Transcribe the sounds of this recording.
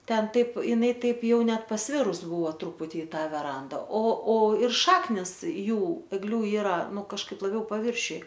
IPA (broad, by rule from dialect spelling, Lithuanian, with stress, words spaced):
ˈtʲɛn ˈtɐɪp ɪˈnɐɪ ˈtɐɪp ˈjɛʊ ˈnʲɛt pɐsʲˈʋʲɪrʊs ˈbʊʋoː ˈtrʊpʊtʲɪ ɪ ˈtɐ ʋʲɛˈrɐndɐ oː oː ɪr ˈʃɑːknʲɪs ˈjuː ɛɡˈlʲʊ ˈiːrɐ ˈnʊ kɐʃˈkɐɪp lˠɐˈbʲɛʊ pɐˈʋʲɪrʲʃʲʊj